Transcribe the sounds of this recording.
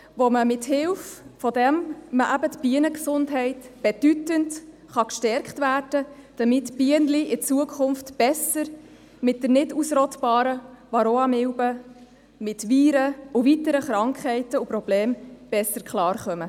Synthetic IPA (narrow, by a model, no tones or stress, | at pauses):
ʋoməmɪthɪlffɔdɛmməʔæbətb̥iənəksʊndɦɛɪtb̥ɛd̥ytənt | χɑkʃtɛɾkχtvæːrd̥əd̥ɑmɪtb̥iənliʔɪt͡suəkʰχʊnftb̥ɛsəɾ | mɪt̚dəɾnɪdusɾɔtb̥ɑːɾəʋɑɾoɑmɪwbə | mɪtviːɾəʊvitəɾəχɾɑŋkχɛɪtəupɾɔb̥lɛːmb̥ɛsːəɾkχlɑːɾχœmə